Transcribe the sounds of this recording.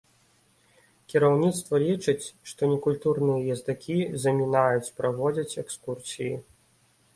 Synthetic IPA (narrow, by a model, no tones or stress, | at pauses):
kʲiɾawnʲit̪st̪vɐlʲit͡ʂɨt͡sʲʂt̪ɔnʲɛkulʲt̪urnɨjɐjɐzd̪akʲizɐmʲinajut͡sʲpɾavɔd͡zʲɐt͡sʲɛkskursʲiji